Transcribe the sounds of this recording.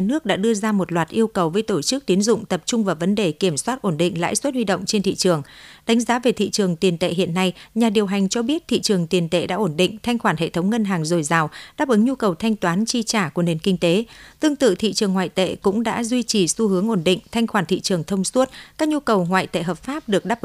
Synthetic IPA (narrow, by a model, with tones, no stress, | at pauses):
nɨ˦˥ək̚ɗa̰ː˧˥ɗɨ˧əzaː˧mo˨˩t̚lwaː˨˩t̚ʔi˧əwkə˨˩wvəː˨˦jt̪o˧˩t͡ɕɨ˦˥k̚t̪i˨˦ənzʊ̰˧˨ŋ͡mt̪ə˨˩p̚t͡ɕʊ˧ŋ͡mvaː˨˩wvə˨˦nɗe˨˩ki˧˩əmswaː˦˥t̚ʔo˧˩nɗḭ˧˨ŋ̟la̰ː˧˥jswə˦˥t̚hwi˧ɗə̰˧˨wŋ͡mt͡ɕe˧nt̪ʰḭ˧˨t͡ɕɨ˨˩əŋɗa˨˦ŋ̟zaː˨˦ve˨˩t̪ʰḭ˧˨t͡ɕɨ˨˩əŋt̪i˨˩ənt̪ḛ˧˨ɦḭ˧˨ənːa˧jɲaː˨˩ɗi˨˩əwɦa˨˩jŋ̟t͡ɕɔ˧ɓi˦˥ət̚t̪ʰḭ˧˨t͡ɕɨ˨˩əŋt̪i˨˩ənt̪ḛ˧˨ɗa̰ː˧˥ʔo˧˩nɗḭ˧˨ŋ̟t̪ʰa˧jŋ̟xwaː˧˩nhɦḛ˧˨t̪ʰə˨˦wŋ͡mŋə˧nɦaː˨˩ŋzo˨˩jzaː˨˩wɗaː˦˥p̚ʔɨ˨˦ŋɲu˧kə˨˩wt̪ʰa˧jŋ̟t̪waː˨˦nt͡ɕi˧t͡ɕaː˧˩ku˧˩əne˨˩nkï˧ŋ̟t̪e˨˦t̪ɨ˧əŋt̪ɨ̰˧˨t̪ʰḭ˧˨t͡ɕɨ˨˩əŋwaː˧˨jt̪ḛ˧˨kʊ̰˧˥ŋ͡mɗa̰ː˧˥zwi˧t͡ɕi˨˩su˧hɨ˨˦əŋʔo˧˩nɗḭ̈˧˨ŋ̟t̪ʰa˧jŋ̟xwaː˧˩nt̪ʰḭ˧˨t͡ɕɨ˨˩əŋt̪ʰə˧wŋ͡mswu˦˥t̚kaː˦˥k̚ɲu˧kə˨˩wŋwa̰ː˧˨jt̪ḛ˧˨ɦəː˨˩p̚faː˦˥p̚ɗɨ˨˩ək̚ɗaː˦˥pʔ